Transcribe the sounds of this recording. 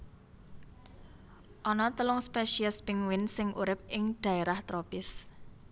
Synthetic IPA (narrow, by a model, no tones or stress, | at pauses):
ʔɔnɔt̪əlʊŋspɛʃiəspɪŋwɪnsɪŋʔuɾɪp̚ɪŋd̪̥ä̤eɾaht̪ɾopɪs